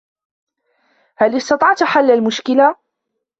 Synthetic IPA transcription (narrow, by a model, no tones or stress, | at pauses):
halɪst̪ɑt̪ˤɑʕt̪ħalːalmʊʃkɪla